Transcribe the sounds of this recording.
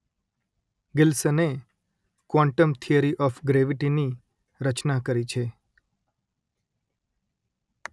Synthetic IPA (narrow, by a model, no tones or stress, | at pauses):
ɡɪlsəne | kʋãɳʈəmt̪ʰiəɾiʔɔfɡɾeʋiʈini | ɾət͡ʃnakəɾit͡ʃʰe